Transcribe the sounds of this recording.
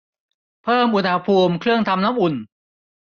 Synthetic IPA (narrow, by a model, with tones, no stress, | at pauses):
pʰɤː˥˩mʔu˧nha˧pʰuː˧mkʰɾɯ˥˩əŋt̪ʰa˧mna˦˥mʔu˨˩n